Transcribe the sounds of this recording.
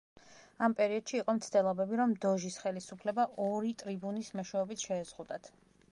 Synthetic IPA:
ampʼɛɾiɔd̪̥ʃiːqʼɔmt̪sʰt̪ɛlˠɔbɛbiɾɔmd̪ɔʒisχɛlisupʰlɛbaʔɔɾit̪ʼɾibunismɔʃwɛɔbit̪ʰʃɛːzʁud̪at̪ʰ

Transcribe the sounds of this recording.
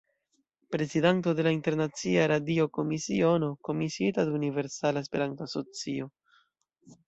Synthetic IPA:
pɾe̞zidanto̞de̞lainte̞ɾnat͡siaɾadio̞ko̞misio̞no̞ko̞misietadunive̞ɾsalaespe̞ɾantoaso̞t͡sio̞

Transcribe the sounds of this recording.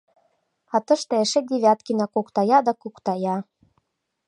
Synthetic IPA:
ɑt̪ɤ̆ʃt̪ɤ̆eʃed̪ʲeβʲæt̪̚kinɑkukt̪ɑjɑd̪ɑkukt̪ɑjɑ

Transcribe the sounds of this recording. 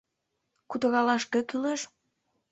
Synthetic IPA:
kut̪ə̆ɣɑlɑʃkekyleʃ

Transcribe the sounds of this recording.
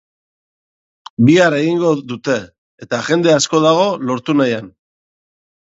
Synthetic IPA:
biaɾe̞ɣiŋɡo̞ðut̪e̞ː | t̪aʝe̞nd̪e̞asko̞ðaɣ̞o̞lo̞ɾt̪unajan

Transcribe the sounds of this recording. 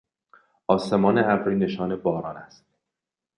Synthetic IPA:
ʔɒːse̞mɒːneʔæbɾiːne̞ʃɒːne̞bɒːɾɒːnæst̪

